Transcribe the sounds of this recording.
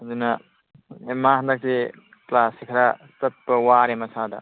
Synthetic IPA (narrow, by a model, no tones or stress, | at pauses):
duna | emaɦd̪ak̚se | klaːsikʰɾast̪ɐt̪̚pɐwaɾemɐsʰaːd̪a̰